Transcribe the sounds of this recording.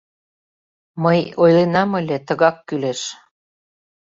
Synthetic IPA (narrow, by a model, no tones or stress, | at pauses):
məjojlenɑməlʲet̪əɣɑkːyleʃ